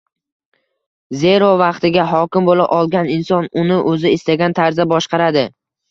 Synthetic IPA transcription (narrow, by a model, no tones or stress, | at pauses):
ze̞ɾovɑqt̪ɪɡʲaɦɒkʲɪmbolɪ̰ʔɒlˠɡʲanɪnsɒnʊnɪʔɵzɪɪst̪aɡʲant̪ʰaɾzabɒʃqɑɾad̪ɪ